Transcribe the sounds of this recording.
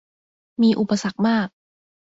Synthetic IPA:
miː˧ʔu˨˩pa˧sa˨˩k̚maː˥˩k̚

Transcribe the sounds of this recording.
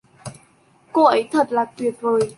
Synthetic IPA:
ko˧ʔə˨˦jt̪ʰə˨˩t̚laː˨˩t̪wi˨˩ət̚vəː˨˩j

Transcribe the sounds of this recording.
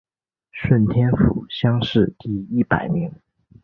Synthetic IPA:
ʂwə˥˩nt̪ʰjɛ˥nfṵ˨˧˩ɕjɑ˥ŋʂɻ̩˥˧t̪i˥˧i˥˩pa˨˩ɪmi˧˥ŋ

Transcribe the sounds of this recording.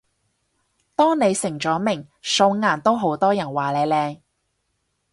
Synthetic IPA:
t̪ɔː˥ŋne˨˧jsɪ˨˩ŋt͡ʃɔː˨˥mɪ˨˩ŋso˧wŋaː˨˩nt̪o˥wɦo˨˥wt̪ɔː˥jɐ˨˩nwaː˨˩le˨˧lɛː˧ŋ

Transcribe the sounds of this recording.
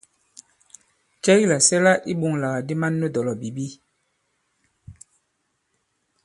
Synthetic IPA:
t͡ʃɛ˦ɣi˦la˨sɛ˦la˦ʔi˦ɓu˨ŋla˨ɣa˨di˦ma˦nːə˦dɔ˨lɔ˨bi˨bi˦

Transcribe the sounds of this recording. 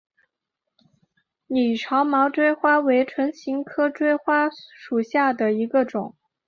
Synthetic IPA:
ni˨˩ʈ͡ʂʰɑ˧˥ʊmɑ˧˥ʊʈ͡ʂwe˥ɪxwa˥we˧˥ɪʈ͡ʂʰwə˧˥nɕi˧˥ŋkʰɤ˥ʈ͡ʂwe˥ɪxwa˥ʂu˨˩ɕja˥˩d̪ə˩i˧˥ɡə˧ʈ͡ʂʊ˨˩˦ŋ

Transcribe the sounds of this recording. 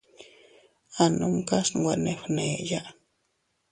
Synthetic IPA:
a˨nu˧mka˦swʷa˧˨ne˨xne˨ja˦ʔ

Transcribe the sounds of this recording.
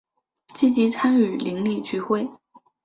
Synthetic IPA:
t͡ɕi˥t͡ɕi˧˥t͡sʰa˥ny˨˩li˧˥ŋli˥˩t͡ɕʰy˥˧xwe˥˩ɪ

